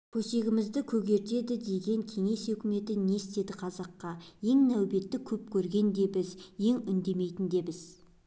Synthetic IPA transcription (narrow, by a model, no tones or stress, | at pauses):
pʰɵse̞ɡʲɪmɪzd̪ɪkʲʰɵɡʲe̞ɾt̪e̞d̪ɪd̪e̞ɡʲe̞ŋkʲʰe̞ŋe̞sɵkʲɪme̞t̪ɪne̞st̪e̞d̪ɪqʰɑzɑqːɑje̞ŋnæwbe̞t̪ːɪkʲʰɵp̚kʲʰɵɾɡʲe̞nd̪e̞bɪzje̞ŋʏnd̪e̞me̞jt̪ɪnd̪e̞bɪz